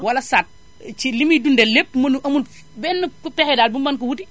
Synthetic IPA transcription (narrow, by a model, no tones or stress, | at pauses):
wɐlɐsat̚ | t͡ʃilimidundɛlep̚mɐnuʔɐmun | bɛnːukupɛxɛdaːlbumbɐnkuwuti